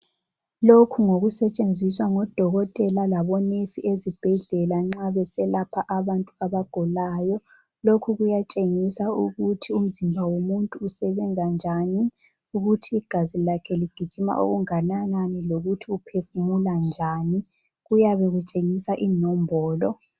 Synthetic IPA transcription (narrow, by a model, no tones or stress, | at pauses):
lokʰuŋoɣusɛt͡ʃʼend͡zʱiswaŋɔd̥ʱɔɣɔtʼɛlalaβɔnesiʔezib̥ʱɛɮɛlaŋ͡ǁaβɛsɛlapʰaʔaβantʼuaβaɡ̥ʱɔlaːjɔ | lokʰuɣujat͡ʃʼeŋisauɣutʰium̩zimbʱawomuntʼuːsɛβɛnd͡zʱand͡ʒʱani | uɣutʰiːɡ̥ʱazilakʰɛliɡ̥ʱid̥ʒ̥ʱima̰ʔo̰ɣuŋanananɛloɣutʰiupʰefumuland͡ʒʱaːni | ɣujaβeɣut͡ʃʼeŋisaʔinɔmbʱɔːlɔ